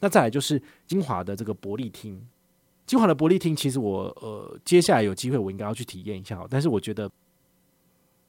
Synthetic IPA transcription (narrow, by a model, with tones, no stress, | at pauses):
na˥˧t͡sa˥˩la˨˦ɪt͡ɕo˥˧ʊʂɻ̩˥˩ | t͡ɕi˥nxwa̰˧˥d̪ə˨ʈ͡ʂɤ˥˩ɡə˩pwɔ˧˥li˥˩t̪ʰi˦˥ŋ | t͡ɕi˥ŋxwa˨˥˦d̪ə˧p̬wɔ˧˦li˥˨t̪ʰi˥ŋt͡ɕʰi˧˥ʂ̬ɻ̩˧˥wɔ˨˩ə̰˧t͡ɕjɛ˥˦ɕja˥˩la˨˦ɪjo˨˩ʊt͡ɕi˥we˥˩wɔ˨˩ĩ˧˥ŋkjʊt͡ɕʰt̪ʰi˨˩jɛ˥˩ni˧˥ɕja˥˩ɔ̰˨˩˦t̪a˥˧nʂ̬̩˥˩wɔ˨˩t͡ɕɥɛ˧˦d̪ə˧